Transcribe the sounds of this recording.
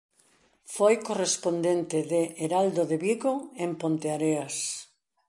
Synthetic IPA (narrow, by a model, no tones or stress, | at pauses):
fojkorespond̪ent̪ɪðeːɾald̪oðeβiɣoempont̪eaɾeas